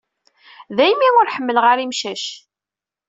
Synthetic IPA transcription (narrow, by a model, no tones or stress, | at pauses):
ðæjmiʊɾħəmːəlʁaɾimʃæʃ